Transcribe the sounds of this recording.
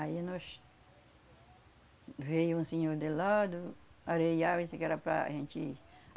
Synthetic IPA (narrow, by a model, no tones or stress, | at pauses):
ainɔs | vejʊũsẽɲoɾd̪elad̪ʊaɾejavẽsekɛɾapɾa̰a̰ʒẽnt͡ʃ̪ɪ